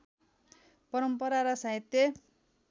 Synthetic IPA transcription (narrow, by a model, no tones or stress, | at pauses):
pʌɾʌmpʌɾaɾʌsait̪ːe